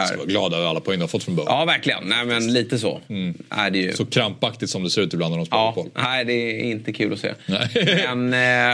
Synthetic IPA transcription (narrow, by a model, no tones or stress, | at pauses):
vaɡlɑːd̪aəvɾalːapʰɔɛŋːnd̪afɔt̪ːfɾɔnbœɾɑːvæɾklɪɡə̰nnɛɪmɛnliːt̪əsɔ̰æ̰ɖɛjɵ̰sɔkʰɾampːakt̪ɪt̪sɔmd̪ɛsɛɾʉ̟ːt̪ɪblanad̪ɔmspɑːbɔlnæɪd̪ɛɪnt̪əkʰʉ̟ːlɔsḛːɛmɛn